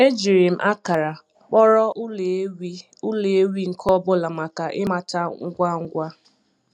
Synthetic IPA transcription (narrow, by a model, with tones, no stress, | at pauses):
e˦d͡ʒi˨ɾi˨m̩˦˨ʔa˦ka˨ɾa˨ | k͡pɔ˦ɾɔ˦ʔle˨˦wi˦ | ʊ˦le˨e˦wi˦ŋ̩˨kʰɔ˦bʊ˦la˨ma˨ka˨ʔɪ̰˦ma˨ta˦ŋ̩˦ɡʷa˦ŋ̩˦ɡʷa˦